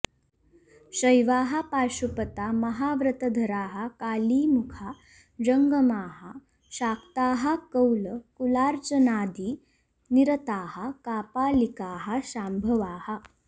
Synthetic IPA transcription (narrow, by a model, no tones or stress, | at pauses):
ɕəjʋaːɦapaːɕupət̪amɐɦaʋɾət̪əd̪ʱəɾaːɦakaːliːmukʰa | d͡ʑəŋɡəmaːɦa | ɕaːkt̪aːɦakəwləkulaːɾt͡sənaːd̪iː | niɾət̪aːhakaːpaːlikaːɦaɕambʱəʋaːha